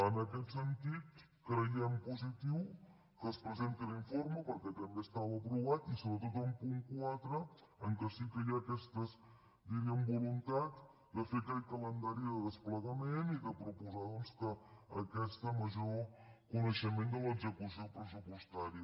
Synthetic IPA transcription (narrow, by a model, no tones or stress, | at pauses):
ənəkɛt̪sənt̪it̪ | kɾəjɛmpuzit̪iw | kəspɾəzent̪əliɱfoɾməpəɾkɛt̪əmbeəst̪aβːpɾuβ̞at̪isoβɾət̪ot̪əmpuŋkwat̪ɾə | əŋkəsikəjaːkɛst̪əs | d̪iɾiəmbulunt̪az | d̪əfekalkələnd̪aɾiðəðəspləɣəmeniðəpɾupuzaðɔnskəːkɛst̪əməʒokunəʃəmend̪ələɡzəkusiopɾəsupust̪aɾiə